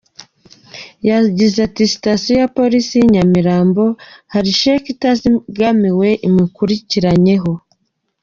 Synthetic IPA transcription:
jaɟizatisi̥tasjojapo̞ɾisiɲamiɾaːmbo̞haɾiʃekitaziɡamiwe̞ʔimikuɾiciɾaɲe̞ɦo̞

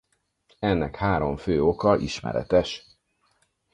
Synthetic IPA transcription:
ɛnːɛkhaːɾo̞ɱføːokɒʔiʃmɛ̰ɾɛ̰t̪ɛʃ

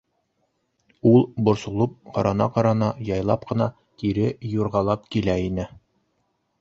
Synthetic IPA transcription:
ulˠbŏɾsŭlˠɤp̚qɒɾɑnɑ̰qɑɾɑnɑjɑjlˠɑp̚qɤ̆nɑ | t̪iɾɘjuɾʁɑlˠɑp̚kilæinɘ

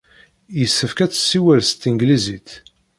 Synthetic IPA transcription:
jəsːəfkæt͡sːə̥sːiwælst̪iŋɡlizit̪

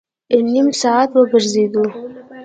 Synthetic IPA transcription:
ənimsɑat̪wəbəɾzed̪u

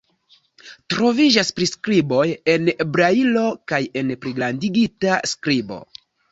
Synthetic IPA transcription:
tɾo̞vid͡ʒaspɾiskɾibo̞je̞nebɾailo̞kaje̞npɾiɡɾandiɡitaskɾibo̞̰

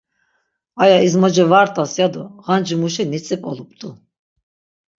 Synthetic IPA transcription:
ajaizmɔd͡ʒɛvaɾt̪ʼasjad̪ɔʁand͡ʒimuʃinit͡sʼɛpʼɔlˠup̚ʼt̪ʼu

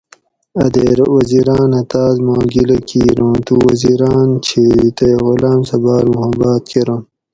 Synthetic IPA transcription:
ɐd̪eɾwɐziɾaːnɐt̪aːzmaːɡilɐkiːɾõːt̪uwɐziɾaːnt͡ɕʰit̪ɐjɣulaːmsɐbaːɾmuɦɐbaːt̪̚kʰeɾõ

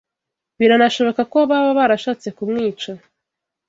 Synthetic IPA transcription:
βiɾanaʃo̞βo̞kakoβaβaβaɾaʃaːt͡se̞kumŋiːt͡ʃa

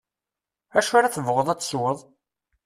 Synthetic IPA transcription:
æʃaɾaθəvʁəðˤæt͡sːswəðˤ

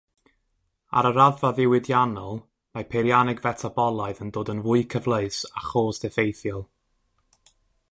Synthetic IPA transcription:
a̰ɾəɾaðvaðɪwɪdjanɔlˠ | mapʰeɾjanɪɡvɛtʰabɔlˠaɨðəndoːdənvʊɨkʰəvlˠəɨsaχoːsd̥ɛfejθjɔlˠ

